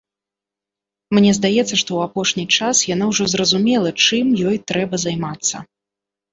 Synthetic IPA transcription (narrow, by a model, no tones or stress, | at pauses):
mnʲɛzd̪ajɛt̪sːɐʂt̪ɔwapɔʂnʲit͡ʂasjanawʐɔzrɐzumʲɛlˠɐt͡ʂɨmjɔjt̪ɾɛbɐzajmat̪sːɐ̰